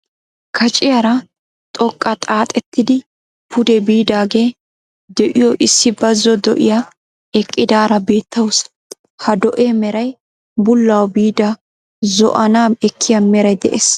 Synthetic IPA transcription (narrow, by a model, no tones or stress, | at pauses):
kʰɐt͡ʃʼɪjɐɾɐ | t̪ʼɔkʼːɐt̪ʼaːt̪ʼɛt̪ːɪd̪ɪ | pʰʊd̪ɛbiːd̪aːɡe̞ː | d̪ɛʔɪjɔʔɪsːɪbɐzːɔd̪ɔ̰ʔɪja | ɛkʼːɪd̪aːɾɐbe̞ːt̪ːɐwʊs | hɐd̪ɔʔeːmɛɾɐj | bʊlːɐwbiːd̪ɐ | zɔ̰ʔɐnaːɛkʰːɪjɐmɛɾɛd̪ɛ̰ʔeːs